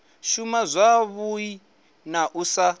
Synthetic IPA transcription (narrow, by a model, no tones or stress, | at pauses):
ʃumazʷaβui | naʔusa